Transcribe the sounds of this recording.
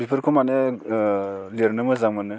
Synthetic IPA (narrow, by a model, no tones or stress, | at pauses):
bipʰɯɾkʰomanɯ | liɾnɯmɯzaŋmanɯ